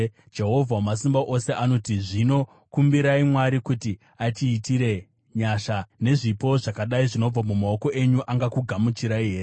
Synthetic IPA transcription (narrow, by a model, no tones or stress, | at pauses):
d͡ʒe̞ɦo̞vʱawamas̬imbaʔo̞se̞ʔano̞tiʐino̞ | kumbiɾaimwaɾikuti | atiːtiɾe̞ | ɲaʃane̞ʐipo̞ʐakaɗaiʐino̞b͡vamumao̞ko̞ʔe̞ɲuʔaŋɡakuɡʱamut͡ʃiɾaiɦe̞ːre